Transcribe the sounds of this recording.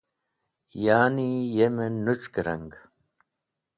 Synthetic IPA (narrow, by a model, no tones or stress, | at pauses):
jaːnijemenuʈ͡ʂkɾɐ̰ŋɡ